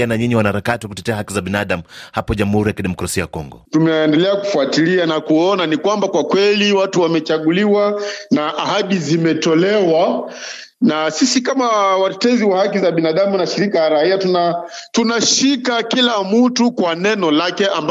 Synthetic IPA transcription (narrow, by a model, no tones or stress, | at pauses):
anaɲiɲiwanahaɾakatiwakutɛtɛahakizaɓinaɗamuhapɔʄamuhuɾijakiɗɛmɔkɾasiajakɔ̰ŋɡɔ̰tumɛːndɛlɛaku̥fuatilianakuɔnanikwambakwakwɛliwatuwamɛt͡ʃaɠuliwanaʔahaɗizimɛtɔlɛwa | nasisikamawatɛtɛziwahak̬izaɓinaɗamunaʃiɾikalaɾahiatuna | tunaʃikakilamutukwanɛnɔlakɛamb